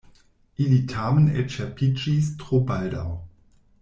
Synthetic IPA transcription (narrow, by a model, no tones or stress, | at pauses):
ʔilitʰaːmənɛ̰t͡ʃɛpʰid͡ʒistʁ̥obaldaw